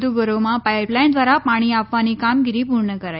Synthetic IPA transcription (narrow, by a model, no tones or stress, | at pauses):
uɡəɾomapajplajnd̪ʋaɾapaɽ̃iapʋaniːkamɡiɾiːpuɾɳəkəɾa